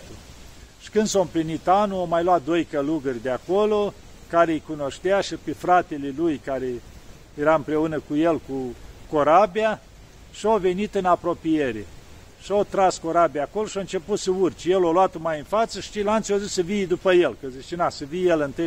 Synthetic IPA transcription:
t̪uʃi̥kɨnd̪soɨmplinit̪anuomajlwat̪̚d̪o̞jkəluɡərʲd̪eakolo | kaɾejkuno̞ʃt̪eaʃipefɾat̪e̞lelujkaɾe | jeɾaɨmpɾe̞unəkujelkuko̞ɾabija | ʃiove̞nit̪ɨnapɾo̞pijeɾe | ʃiot̪ɾasko̞ɾabiaːkoloʃioɨnt͡ʃe̞put̪səurt͡ʃjeloloat̪omajɨnfat̪səʃi̥t͡ʃilant̪siozisəvijd̪upəjelkəzit͡ʃenasəvijelɨnt̪ɨ

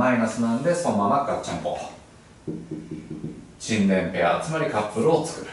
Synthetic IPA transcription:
ainasɨnãnd̪e̞somanakɯat͡ɕãŋko̰ | ɕĩnd̪ẽ̞mpeaːt͡sɨmaɾʲikapːɯ̟ɾɯot͡sɨ̥kɯ̟ɾɯ̟

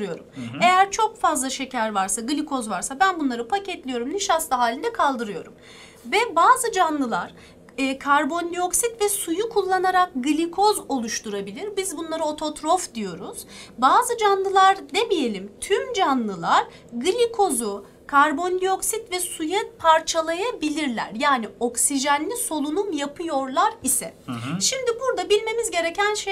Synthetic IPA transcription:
ɾɯjo̞ɾume̞jæɾt͡ʃʰo̞kfazlˠaʃecʰæɾvaɾsaɡɯlʲikʰo̞zvaɾsabænbunlˠaɾɯpʰacɛt̪lʲijo̞ɾumniʃast̪ˠaɦaːlʲind̪ɛkʰalˠd̪ɯɾɯjo̞̰ɾum | vɛbaːzɯd͡ʒanlˠɯlˠaɾ̥ | ɯːkʰaɾbo̞nʲlʲio̞ksit̪vɛsujukʰulˠːanaɾak̚ɡɯlʲikʰo̞zo̞lˠuʃt̪uɾabilʲiɾbizbunlˠaɾɯo̞t̪ʰo̞t̪ɾo̞fd̪ijo̞ɾuz̥baːzɯd͡ʒanlˠɯlˠaɾnebije̞lʲimt̪ʰymd͡ʒanlˠɯlˠaɾ | ɡɯlʲikʰo̞zu | kʰaɾbo̞nʲd̪io̞ksit̪vɛsujɛt̪̚pʰaɾt͡ʃʰalˠajabilʲiɾlʲæ̰ɾjaːnio̞ksiʒænlʲiso̞lˠunumjapʰɯjo̞ɾlˠaɾisɛ̰ʃimd̪ibuɾd̪abilʲme̞mizɟe̞ɾe̞cʰænʃe

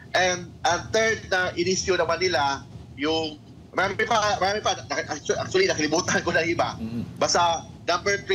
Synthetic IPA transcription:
ʔɛnd̪̚ʔɐŋt̪ɛɹd̪̚nɐʔɪɾɪskjunɐmanɪlajʊŋ | mɐɾaːmpɐmɐɾaːmɪpaɐʔat͡ʃak̚t͡ʃʊɐlinɐkɐlɪbuːt̪ɐɦɐnkonɐŋɪbabast̪a | nɐmbɛɹt̪ɾ

